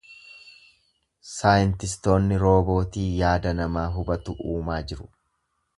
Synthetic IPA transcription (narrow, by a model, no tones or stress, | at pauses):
saːjɪnt̪ɪst̪o̞ːnːɪɾo̞ːbo̞ːt̪iːjaːd̪ɐnɐmaːɦʊbɐt̪ʊʔuːmaːd͡ʒɪɾʊ̥